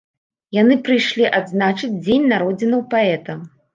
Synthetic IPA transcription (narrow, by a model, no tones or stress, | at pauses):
jan̪ɨpɾɨjʂlʲiʔad̪znat͡ʂɨd͡zʲd͡zʲenʲnaɾɔd͡zʲinɐwpaɛt̪ɐm